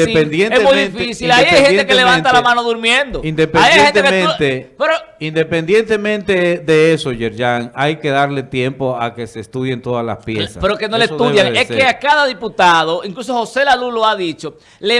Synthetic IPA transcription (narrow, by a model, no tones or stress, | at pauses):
epend̪jenemujðeĩnfisilajajhet̪ekeleβaant̪alamãnoðuɾmjend̪oind̪epeadjajehent̪ekemẽnt̪epeɾo | ind̪e̞pend̪je̞nt̪e̞mẽ̞nt̪eðe̞esoʝeɾʝaŋajke̞ðaɾle̞t̪je̞mpo̞ake̞se̞st̪uðjent̪o̞ðasla̰spjesa̰peɾokenolesðuðjaŋeskeakaðaðiput̪aðoiŋklus̬oho̞se̞laluloaðit͡ʃo̞ | le